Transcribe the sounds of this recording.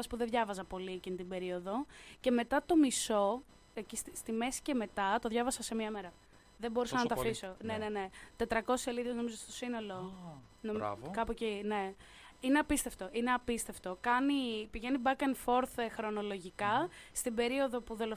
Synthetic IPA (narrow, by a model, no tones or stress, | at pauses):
ɐspuðeðʝɐvɐzɐpo̞liecint̪ibe̞ɾio̞ðo̞ce̞me̞t̪ɐt̪o̞miso̞ | ecist̪ist̪ime̞si̥ce̞me̞t̪ɐt̪o̞ðʝɐvɐsɐse̞miɐme̞ɾɐ | ðeboɾisɐnɐt̪ɐfiso̞nene̞ne̞t̪e̞t̪ɾɐko̞sise̞liðezno̞mizoest̪o̞sino̞lo̞ | nom̰kɐpocine̞ | ine̞ɐpist̪e̞ft̪o̞ʔine̞ɐpist̪e̞ft̪o̞kɐnipiʝe̞nibɐkenfo̞ɾθexɾo̞no̞lo̞ʝikɐst̪ibe̞ɾio̞ðo̞puðolo